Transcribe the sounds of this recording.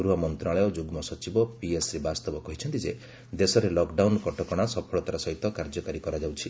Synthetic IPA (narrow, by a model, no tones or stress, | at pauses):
uɾuɔmɔnt̪ɾaɭɔjod͡ʒuɡmɔsɔt͡ʃibɔpiesɾebast̪ɔbɔkɔɦit͡ʃʰɔnt̪id͡ʒe | d̪esɔɾelɔkɖawnkɔʈɔkɔɽ̃asɔpʰɔɭɔt̪aɾasɔɦit̪ɔkaɾd͡ʒɔkaɾikɔɾad͡ʒawt͡ʃʰi